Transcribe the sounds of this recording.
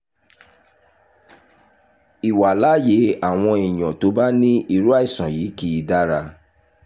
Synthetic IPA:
i˨wa˨la˨˦je˨˦a˦˨w̃ɔ̃˧i˨j̃ɔ̃˨to˧˦ba˦nĩ˦i˧ɾu˦a˦i˦˨sã˨ji˨˦ki˦i˧da˦ɾa˧

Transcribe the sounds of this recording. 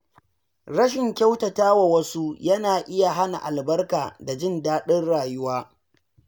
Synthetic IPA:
ɾɐ˦ʃ̬ɪ˨ŋkʲa˦wtɐ˨taː˦wa˨wɐ˦su˦jɐ˦naː˨ʔɪ˦ja˨ɦa˦na̰˨ʔa˨lbɐ˦rkaː˨da˨d͡ʒɪ˦ndaː˦ɗɪ˦rɽaː˨jʊ˦waː˦

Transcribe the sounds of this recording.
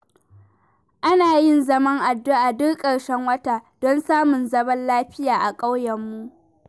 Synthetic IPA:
ʔa˦naː˨jɪ˦˨nzɐ˦mɐ˦ŋʔa˨dːʊ˦ʔaː˨dʊ˦kkʼɐ˨ɽʃɛ˦ŋwɐ˦taː˨d̥ɔ˦nsaː˦mʊ˨nzɐ˦bɐ˦nlaː˦ɸɪ˦jaː˨ʔa˨kʼa˦wjɐ˨mːu˦ʔ

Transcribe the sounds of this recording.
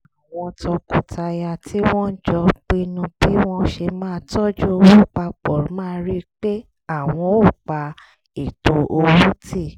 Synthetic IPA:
a˨w̃ɔ̃˧tʰɔ˧ku˨tʰa˧ja˧tʰi˦w̃ɔ̃˦n̩˦d͡ʒɔ˧k͡pi˦˧nũ˧b̥i˦w̃ɔ̃˦ʃe˧mãː˦˧tɔ˦d͡ʒu˦o˧wũ˦k͡pa˧k͡pɔ˨ɾmãː˦˧ɾi˦k͡pe˦ | a˦˨w̃ɔ̃˧o˦˨k͡pa˧ | e˨to˧ʔo˧wu˦ti˦˨

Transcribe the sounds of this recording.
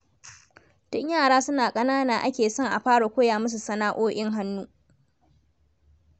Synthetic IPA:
tʊ˦ɲjaː˦˨ɽaː˦sʊ˦naː˨kʼɐ˦naː˦naː˨ʔa̰˦kʲeː˨sɔ˦˨ŋʔa˨ɸaː˦ɽa˨kʷoː˦jaː˨mɐ˦s̬u˨sɐ˦naː˦ʔoː˦ʔɪ˦ŋɦa˦nːuː˦

